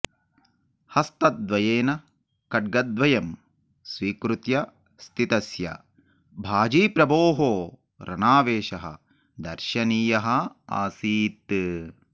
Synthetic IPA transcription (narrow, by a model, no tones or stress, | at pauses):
hɐst̪ɐt̪̚d̪ʋɐjeːnɐ | kɐɖ̚ɡɐd̪ʋɐjɐm | sʋiːkɾut̪jɐ | st̪ʰit̪ɐsjɐ̰ | bʱaːd͡ʒiːpɾɐboːɦoː | ɾɐnaːʋeːʃɐɦɐ̰ | d̪ɐɾʃɐniːjɐɦɐa̰ːsiːt̪